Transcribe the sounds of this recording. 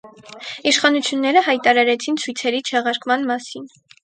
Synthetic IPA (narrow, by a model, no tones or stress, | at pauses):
iʃχɑnut͡sʰjunːɛɾəhɑjt̪ɑɾɑɾɛt͡sʰint͡sʰujt͡sʰɛɾit͡ʃʰɛʁɑɾkmɑnmɑsin